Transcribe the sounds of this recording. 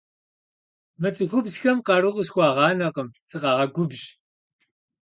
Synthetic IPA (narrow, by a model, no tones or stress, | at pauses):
mɐt͡sʼɨxʷʊbsxɐmqɑɾɨqʊsxʷɑːʁɑːnɐqəmt͡sʼɨqɑːʁɐɡʷʊbʒ